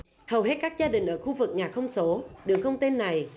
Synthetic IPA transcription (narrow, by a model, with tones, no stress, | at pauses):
hə˨˩whe˦˥t̚kaː˦˥k̚zaː˧ɗï˨˩ŋ̟ʔəː˧˩xu˧vɨ˨˩k̚ɲaː˨˩xə˧wŋ͡mso˨˦ɗɨ˨˩əŋkə˧wŋ͡mt̪e˧nːa˨˩j